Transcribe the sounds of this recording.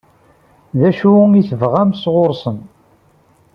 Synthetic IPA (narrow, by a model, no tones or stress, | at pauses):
ðæʃuiθəvʁæmsʁʊɾsən